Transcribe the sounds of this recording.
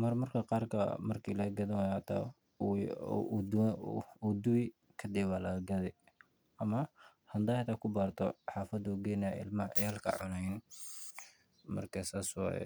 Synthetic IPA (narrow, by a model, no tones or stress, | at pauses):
mɐrmɐrkʰɐqɑːrkʰɐ̰mɐrkʰiːlɐɡɐðɐwajɐt̪ʰa̰ | d | ud̪ʊwɪ | kʰɐd̪ɛβalɐɡɐɡɐðɛj | ʔɐmɐhɐnd̪aːhɐt̪aːkʰʊbaːrt̪ʰɔħɑːfɐd̪uɡɛnɐɪ̰lmɐʕɛjɐlkʰɐ̰ʕʊnɐjn | mɐ̰rkʰɐsaːswɑ̰ːjɛ̰